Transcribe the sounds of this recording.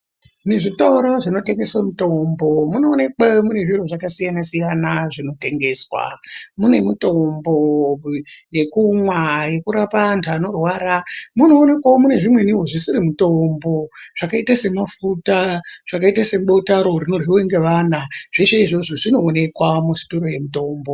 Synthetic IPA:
neʐitoɾo̞ʐino̞te̞ŋɡe̞swamutombo̞muno̞ːne̞kwamune̞ʐiroʐakasijanasijanaʐino̞te̞ŋɡe̞ːswa̰mune̞muto̞mbo | je̞kumwaje̞kuɾapantʰuano̞rwaːɾamuno̞ːne̞kwawomune̞ʐimwe̞niɦoʐisiɾimutombo̞ʐ̥akaitase̞mafutaʐ̥akaitase̞ɓo̞taɾo̞rino̞riweŋɡe̞ʋaːnaʐ̥eʃeiʐo̞ʐoʐino̞ːne̞kwamusi̥toɾoje̞muto̞ːmbo̞

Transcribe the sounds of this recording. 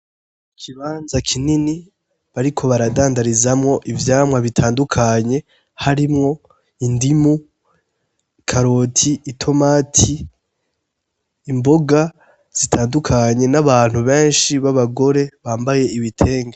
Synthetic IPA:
kʰiβaːnzakʰinini | βaɾikʰo̞βaɾadaːndaɾizamŋo̞ʔivjaːmwaβitʰaːndukʰaɲe̞ | haɾimŋo̞ | indimu | kʰaɾo̞tʰiːtʰo̞maːtʰi | mbo̞ɡa | z̥itʰaːndukʰaɲe̞naβaːn̥huβe̞ːnʃiβaβaɡo̞ɾe̞βaːmbaje̞ʔiβitʰe̞ːŋɡa

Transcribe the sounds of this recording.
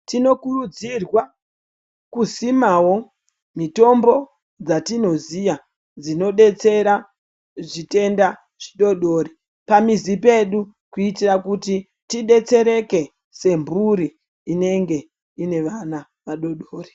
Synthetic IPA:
tino̞kurud͡zirwa | kuzimawo̞ | mito̞mbo̞ | d͡zatino̞zija | d͡zino̞ɗe̞t͡se̞ɾa | ʐite̞nda | ʐiɗo̞ɗo̞ːɾi | pamizipe̞ɗu | kuitirakuti | tiɗe̞t͡se̞ɾe̞ke̞ | se̞mbuɾiː | ne̞ŋɡe̞ | ine̞ʋana | ʋaɗo̞ɗoːri

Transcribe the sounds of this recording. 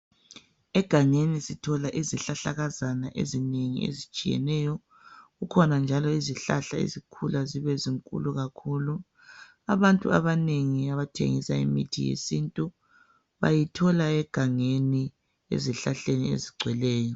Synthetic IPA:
ɛɡ̥ʱaŋenisitʰɔlaʔiziɬaɬaɣazanaʔḛzineŋḭḛzit͡ʃʼijɛ̰nɛːjɔ | ɣukʰɔnand͡ʒʱalɔiziɬa̰ɬaḛzikʰulaziβɛziŋkʼṵluɣakʰuːlu | aβantʼṵa̰βaneŋiaβatʰḛŋisaḭmḭtʰijḛsintʼu | βa̰jitʰɔlaɛɡ̥ʱaŋeni | ḛziɬaɬeniḛziɡ͡ǀʱwɛlɛːjɔ

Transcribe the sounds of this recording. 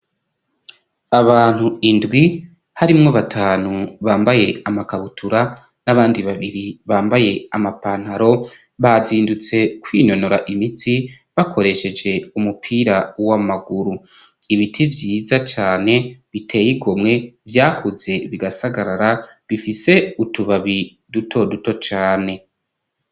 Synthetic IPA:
aβaːn̥huindɡwi | haɾimŋoβatʰaːnuβaːmbaje̞amakaβutʰuɾa | naβaːndiβaβiɾiβaːmbaje̞amapan̥haɾo̞ | βaziːndut͡se̞kwiːno̞no̞ɾaʔimitʰi | βakʰo̞ɾe̞ʃe̞d͡ʒe̞umupʰiːɾawamaɡuɾu | iβitʰivjiːzat͡ʃaːne̞βitʰe̞ːjiɡomŋe̞vjaːkʰuze̞βiɡasaɡaɾaɾa | βifise̞utuβaβi | dutʰo̞duto̞t͡ʃaːne̞

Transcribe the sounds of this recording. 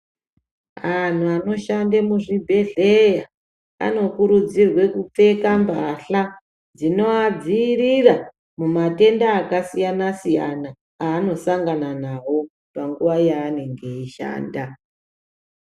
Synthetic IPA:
an̤uano̞ʃandemuʐibʱe̞ɮe̞ja | a̰no̞kuɾud͡zirwe̞kup͡fe̞kambaɬa | d͡zino̞ad͡ziːrira | mumate̞ndaːkasijanasija̰na | aːno̞saŋɡananawo̞ | paŋɡuʋajaːne̞ŋɡe̞iʃa̰ːnda

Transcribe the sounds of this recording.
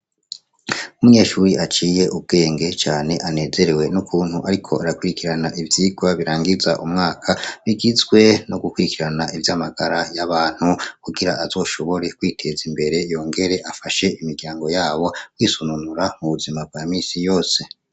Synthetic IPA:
umuɲe̞ːʃuːɾiʔat͡ʃiːje̞ʔub̚ɡe̞ːŋɡe̞t͡ʃaːne̞ʔane̞ːze̞ɾe̞we̞nukʰuːnhuʔaɾikʰo̞ʔaɾakuɾikiɾanaʔivjiːɡwaβiɾaːŋɡiza̰ʔumŋaːkʰaβiɡizɡwe̞no̞ɡukuɾikiɾanaivjaːmaɡaɾajaβaːn̥hukuɡiɾaʔazo̞ːʃo̞βo̞ɾe̞kwiːtʰe̞zimbe̞ɾe̞jo̞ːŋɡe̞ɾe̞ʔafaʃe̞imiɾɡjaːŋɡo̞jaːβo̞kwiːsununuɾamuβuzimab̚ɡ̥aːmiːsijo̞ːse̞

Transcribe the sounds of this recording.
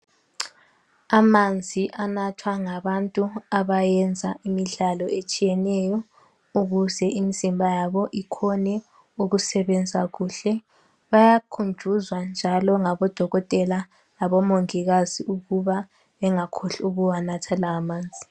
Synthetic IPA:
amand͡zʱiʔanatʰwaŋaβantʼuaβajɛnd͡zʱaʔimiɮalɔʔet͡ʃʼijɛnɛjɔ | uɣuzɛʔimizimbʱajaβɔʔikʰɔnɛ | uɣusɛβɛnd͡zʱaɣuːɬɛ | βajakʰund͡ʒʱuzwand͡ʒʱalɔŋaβɔd̥ʱɔɣɔtʼɛla | laβɔmoŋiɣaziʔuɣuβa | βɛŋakʰoɬuɣuwanatʰalaːmaːnd͡zʱi̥

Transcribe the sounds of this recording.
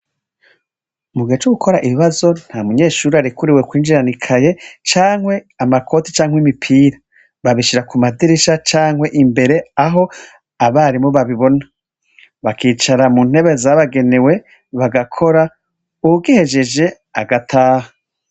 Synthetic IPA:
umuɡiet͡ʃuɡukʰo̞ɾaʔiβiβazo̞n̥hamuɲe̞ːʃuːɾiaɾikuɾiwe̞kwiːnd͡ʒiɾanikʰaje̞t͡ʃaːŋhwe̞ | amakʰo̞ti̥t͡ʃaːŋwimipʰiːɾa | βaβiʃiɾakumadiɾiʃat͡ʃaːŋwe̞ʔimbe̞ɾe̞aɦo̞ | aβaɾimoβaβiβo̞na | βakiːt͡ʃaɾamun̥he̞βe̞zaβaɡe̞ne̞we̞ | βaɡakʰo̞ɾa | uɡihe̞ʒe̞d͡ʒe̞ | aɡatʰaːha

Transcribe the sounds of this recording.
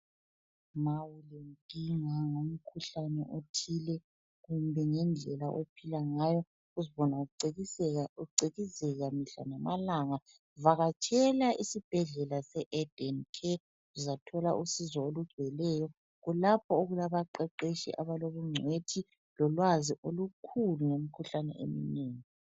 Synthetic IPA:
mawulɛntʼiŋaŋom̩kʰuɬanɛʔotʰilɛ | ɣumbʱɛŋɛnd͡ɮʱɛlaʔo̰pʰilaŋajɔ | ɣuziβɔnauu | uǀeɣizɛɣamiɬa̰namalaŋa | vaɣat͡ʃʰʼɛlaʔisib̥ʱɛɮɛlasɛʔɛd̥ɔnkʰɛ | uzatʰɔlaʔusizwɔoluʒ̥ʱwɛlɛjɔ | ɣulapʰɔoɣulaβaǃɛǃeʃḭʔa̰βaloβuŋ͡ǀʱwetʰi | lɔlwaziʔolukʰuluŋomikʰuɬanɛ̰ʔḛmineːŋi

